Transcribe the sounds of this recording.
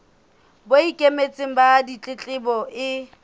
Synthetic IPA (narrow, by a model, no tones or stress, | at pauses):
boikʼemet͡sʼɪŋ̩badit͡ɬʼɪt͡ɬʼɪbɔʔɪ